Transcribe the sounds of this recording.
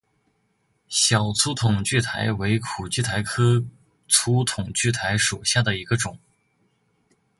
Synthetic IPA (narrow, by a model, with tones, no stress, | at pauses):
ɕjɑ˨˩ʊt͡sʰu˧˥t̪ʰʊ˨˩ŋt͡ɕy˥˩t̪ʰa˧˥ɪwe˧˥ɪkʰu˨˩t͡ɕy˥˩t̪ʰa˧˥ɪkʰɤ˥ | t͡sʰu˧˥t̪ʰʊ˨˩ŋt͡ɕy˥˩t̪ʰa˧˥ɪʂu˨˩ɕja˥˩d̪ə˩i˧˥ɡə˧ʈ͡ʂʊ˨˩˦ŋ